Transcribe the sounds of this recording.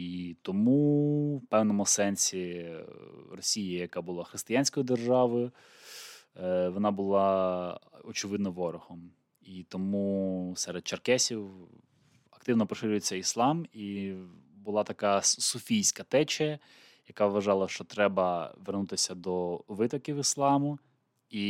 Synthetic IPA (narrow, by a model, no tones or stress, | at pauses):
it̪ɔmupɛwnɔmʊsɛnʲsʲi | rɔsʲijɪjɐkabʊlˠɑxɾɪst̪ɪjanʲsʲkɔjid̪erʒɑʋɪʊ | ʋɔnɑbʊlˠɑ | ɔt͡ʃɪʋɪd̪nɔʋɔɾʊhɔm | it̪ɔmusɛɾed̪̚t͡ʃɐrkɛsʲiw | ɐkt̪ɪwnɔpɾɔʃɪɾʲʊjet͡sʲːɐislˠɑmi | bʊlˠɑt̪ɐkɑsʊfʲijsʲkɐt̪ɛt͡ʃɐ | jɐkɑʋʋɐʒɑlˠɐʃt͡ʃɔt̪ɾɛbɐʋernut̪ɪsʲɐd̪ɔʋɪt̪ɔkʲiwislˠɑmʊ | i